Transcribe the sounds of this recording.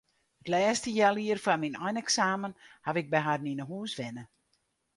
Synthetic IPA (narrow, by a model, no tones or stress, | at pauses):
hətlɛːstəjɛlˠiərfaminɔjnɛksaːmənhaʋɪk̚bɛɦarninəɦuːsʋɪnə